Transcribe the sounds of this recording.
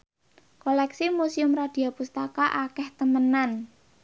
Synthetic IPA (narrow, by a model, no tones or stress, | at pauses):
kolɛksimusiʊmrad̪̥i̤apust̪akaʔakɛht̪əmənan